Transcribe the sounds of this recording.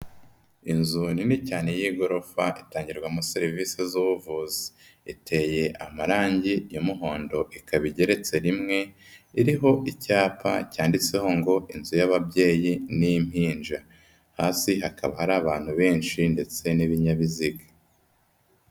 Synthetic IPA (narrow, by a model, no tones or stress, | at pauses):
inzuninicaːne̞jiːɡo̞ɾo̞faʔitaːɲɟiɾɡwamuseɾiviːsizuβuvuːzi̥ | itʰe̞ːje̞ʔamaɾaːɲɟijomuɦo̞ːndo̞ʔikaβiɟe̞ɾe̞t͡se̞ɾimŋe̞ | iɾiɦo̞ʔicaːpʰa̰caːndit͡se̞ho̞ŋɡo̞inzujaβabɟe̞ːjinijim̥hiːnʒa | haːsiɦakaβahaɾaːβaːn̥huβe̞ːnʃinde̞t͡se̞niβiɲaβiziɡḁ